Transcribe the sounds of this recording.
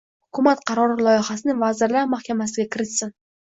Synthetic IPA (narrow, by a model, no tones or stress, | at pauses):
hʊkʰʊmat̪qʰɑɾɒɾɪlˠɒjɪχasɪnɪŋvazɪɾlaɾmahkʲamasɪɡʲakʲʰɪɾɪt̪sɪn